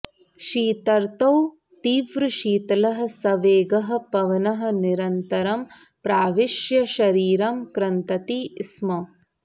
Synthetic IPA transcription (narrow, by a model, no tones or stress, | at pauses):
ʃiːt̪ɐɾt̪ɐw | t̪iːʋɾɨʃiːt̪ɐlɐɦɐ̆sɐʋeːɡɐɦɐ̆pɐʋɐnɐɦɐ̆niɾɐnt̪ɐɾɐm | pɾaːʋiʃjɐʃɐɾiːɾɐmkɾɐnt̪ɐt̪ismɐ